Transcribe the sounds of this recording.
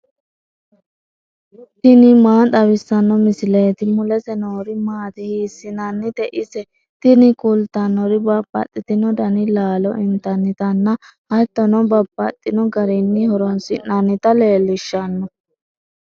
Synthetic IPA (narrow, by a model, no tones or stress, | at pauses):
t̪ɪnɪmaːt̪ʼɐβɪsːɐnːɔmɪsɪlɛːt̪ɪmʊlɛsɛnoːɾɪmaːt̪ɪhiːsːɪnɐnːɪt̪ɛʔɪsɛ | t̪ɪnɪkʊlt̪ːɐnːɔɾɪbɐbːɐ̰t̪ʼːɪt̪ɪnɔd̪ɐnɪlaːlɔɪnt̪ɐnːɪt̪ɐnːɐhɐjt̪ːɔnɔbɐbːɐt̪ʼːɪnɔɡɐɾɛnːɪhɔɾɔnsɪnːɐnːɪt̪ɐle̞ːlːɪʃːɐnːɔ